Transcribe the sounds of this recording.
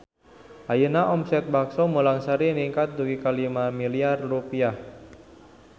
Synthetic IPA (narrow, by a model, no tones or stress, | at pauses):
ʔajənaʔɔmsɛt̪̚baksɔmulaŋsaɾiniŋkat̪̚d̪uɡikalimamiliarrupiah